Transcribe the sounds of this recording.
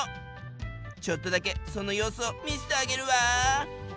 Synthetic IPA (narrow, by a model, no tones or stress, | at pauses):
t͡ɕo̞t̪ːo̞d̪ake̞so̞no̞jo̞ːsɨomʲisi̥t̪eaɡe̞ɾɯ̟βa